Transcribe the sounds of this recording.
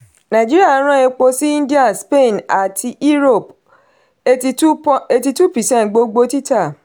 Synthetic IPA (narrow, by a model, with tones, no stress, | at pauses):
nã˨d͡ʒi˦ɾi˦a˦˨˦ɾ̃ã˦e˧k͡po˧si˦ĩ˦di˦ã˦˨nspe˦˨na˨tʰi˧ʔi˦ɾo˦˨p | e˧i˧˦e˧ti˧tu˦pi˨sɛ̃˦˨ntɡ͡bo˧ɡ͡bo˧ti˦ta˦˨